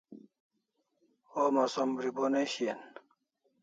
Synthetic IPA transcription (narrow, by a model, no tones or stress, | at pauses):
omɐsombɾiboneɕien